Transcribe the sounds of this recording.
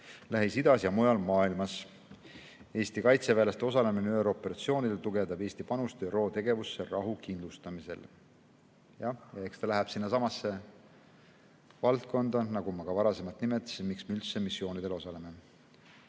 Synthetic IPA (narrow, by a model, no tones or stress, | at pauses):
læɦisid̪̥ɑsjɑmujɑlmɑːilmɑs | e̞ːst̪ikɑjt̪sevæːlest̪eo̞sɑle̞mineyeɾo̞pe̞ɾɑt̪sio̞ːnid̪elt̪uɡ̥e̞d̪̥ɑbeːst̪ipɑnust̪yɾo̞ːt̪e̞ɡ̥e̞vusːerɑɦukind̪lust̪ɑmise̞̰l | jɑjɑekst̪ɑlæɦæb̥sinːɑsɑmɑsːe̞ | vɑlt̪̚kʰo̞nd̪̥ɑnɑɡumɑɡ̥ɑvɑɾɑse̞mɑt̪nimet̪ːˑi̥smiksmeylt̪semisːo̞ːnid̪̥e̞lo̞sɑle̞me̞